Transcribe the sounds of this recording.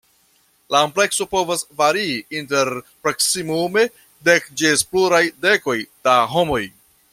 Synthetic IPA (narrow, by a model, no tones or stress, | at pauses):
laomple̞kso̞po̞vasvaɾiinte̞ɾpɾoksimume̞ | dekd͡ʒespluɾajde̞ko̞jd̥aɦo̞mo̞j